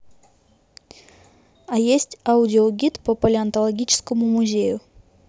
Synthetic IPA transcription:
ajesʲtʲaudʲɪoɡʲit̪popəlʲɪant̪olˠɐɡʲit͡ɕɪ̥skəmumuzʲe̞jʊ

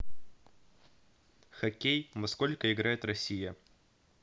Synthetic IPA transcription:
xɐkʲejmɐskolʲkəɪɡɾajɪt̪rɐsʲijə

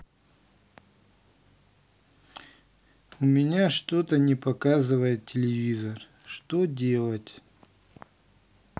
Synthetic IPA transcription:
ʊmʲɪnʲaʂt̪ot̪ənʲɪpɐkazɨvəjɪt̪̚tʲːɪlʲɪvʲizər | ʂt̪odʲe̞lˠətʲ

